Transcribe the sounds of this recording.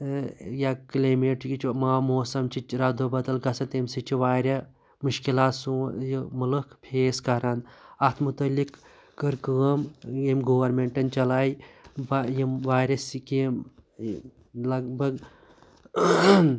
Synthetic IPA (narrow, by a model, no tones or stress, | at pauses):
jaklaːmeʈkit͡ʃʰimaːmoːsɐmt͡ʃʰit͡ʃɾɐd̪obɐd̪ɐlɡɐsɐt̪emsit͡ʃʰiʋaːɾʲɐ | muʃkilaːt̪sujimulɐkʰpʰeːskɐɾɐnɐt̪ʰmut̪ɐlːikː | ɐɾkɨɐmjemɡoːʋɐɾmeɳʈɐnt͡ʃɐlaːibjiʋaːɾʲɐsikim | lɐɡbɐɡ